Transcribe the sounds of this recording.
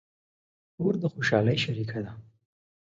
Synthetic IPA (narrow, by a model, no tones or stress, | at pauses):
oɾd̪əxoʃɑləjʃaɾikʰad̪a